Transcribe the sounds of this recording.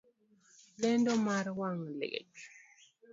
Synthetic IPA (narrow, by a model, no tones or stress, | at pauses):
lɛndɔmaɾwaŋlɛ̰ɡḛt͡ʃ